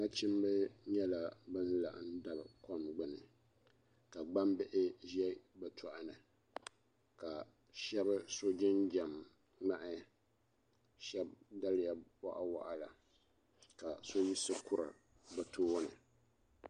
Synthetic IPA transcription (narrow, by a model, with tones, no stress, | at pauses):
ŋa˦t͡ʃɪ˦m˦bɨ˦ɲɛ˦la˨bɨ˦n˦la̰˨ʔa̰˦nda˨bkɔ˦mɡ͡bɨ˨nɨ˨ | ka˨ɡ͡ba˦m˦bɪ˦ʔɪ˦ʒɛ˦bɨ˨tɔ˨ʔa˦nɨ˨ | ka˨ | ʃɛ˦bɨ˦so˦d͡ʒɪ˦nd͡ʒɛ˨m | ŋ͡ma˨ʔɪ˦ | ʃɛ˦b̚da˦lɪ˦ja˨wa˦ʔa˦wa̰˦ʔa˦la˨ | ka˨so˦ji˦sɨ˦kʊ˦ɾɨ̰˨ | bɨ˨tʰoː˦nɨ˨